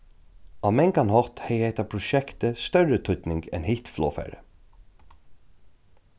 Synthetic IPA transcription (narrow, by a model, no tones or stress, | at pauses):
ɑmɛŋkanhɔt̪hɛjeht̪apʰɾʊʃɛkt̪əst̪œɹət̪ʰʏt̪nɪŋkɛ̰nhɪht̪flɔ̰ːfæ̰ɹə̰